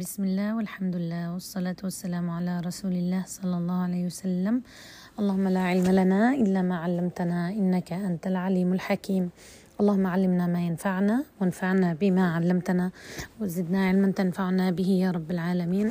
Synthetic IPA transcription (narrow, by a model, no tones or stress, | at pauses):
bɪsmɪlːaːhwɪlħamd̪ʊɪlːaːhwɑsˤːɑlaːt̪wasːalaːmʕalaɾˤɑsuːlɪlːaːhsˤɑlːɑlˤːɑːhʕalejːhwasalːam | ʔɑlˤːɑːhʊmːalaʕɪlmalanaʔɪlːamaːʕalːamt̪anaʔɪnːakaʔant̪alʕaliːmalħakiːm | ʔɑlˤːɑːhʊmːaʕalːɪmnamaːjanfaʕnawɪnfaʕnabɪmaːʕalːamt̪anawɪzɪd̪naʕɪlmant̪anfaʕnabɪhɪjaːɾˤɑbːalʕaːlamiːn